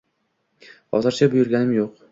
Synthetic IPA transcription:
χɒ̰zɨɾt͡ʃʰabʊjʊɾɡʲanɪmjoq

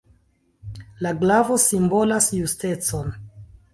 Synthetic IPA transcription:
laɡlavo̞simbo̞lasjuste̞t͡so̞n

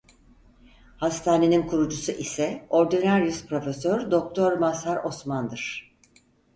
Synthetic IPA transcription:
hast̪ʰaːne̞ninkʰuɾud͡ʒusuʔisɛo̞ɾd̪inæɾjyspɾo̞fesøɾd̪o̞k̚t̪ʰo̞ɾmasaɾo̞smand̪ɯɾ̥

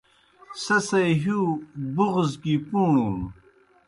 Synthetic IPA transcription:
sɐsɐjɦuːbuʁzkipuːɳuːn

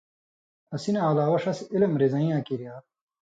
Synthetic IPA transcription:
ɐsinaːlaːwɐʂɐsiilɐmɾizɐĩjãːkiɾjaː

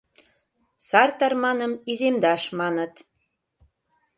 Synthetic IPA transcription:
sɑrt̪ɑrmɑnə̆mizemd̪ɑʃmɑnə̆t̪

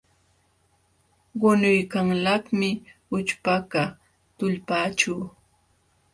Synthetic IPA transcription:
ɢʊnʊjkaŋlakmɪʊt͡ʃpaka | t̪ʊʎpaːt͡ʃuː

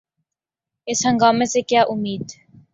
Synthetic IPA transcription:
esaŋɡamesekeaʔumiːd̪

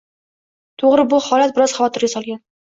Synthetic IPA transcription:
t̪ʰoʁɾɪbʊhɒlat̪̚bɪɾɒz̥χɑvɒt̪ʰɪɾɡʲasɒlˠɡʲan

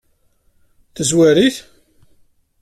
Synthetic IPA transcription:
θəzwæɾiθ

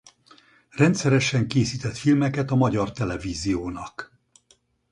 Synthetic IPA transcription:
rɛnt̪sɛɾɛʃɛŋkeːsiːt̪ɛt̪filmɛkɛt̪ɒmɒɟɒrt̪ɛlɛviːzijoːnɒk

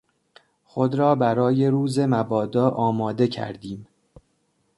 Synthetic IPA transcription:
xo̞d̪ɾɒːbæɾɒːje̞ɾuːze̞mæbɒːd̪ɒːʔɒːmɒːd̪e̞cʰæ̰ɾd̪iːm

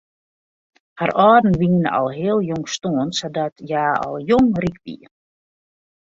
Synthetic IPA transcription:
harɔːdn̩ʋiŋən̰ɔ̰lˠɦɪəlˠjoŋstoənsɔdɔtjaːɔ̰lˠjoŋrikʋḭən

